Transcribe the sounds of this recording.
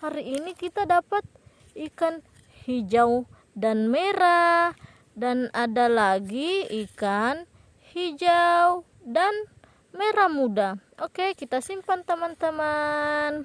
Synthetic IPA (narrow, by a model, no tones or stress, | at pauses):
haɾiːnikit̪adapat̪̚ | ikan | hid͡ʒaw | danmɛɾa | danadalaɡiikan | hid͡ʒaw | dan | mɛɾamudaɔkekit̪asimpant̪amant̪aman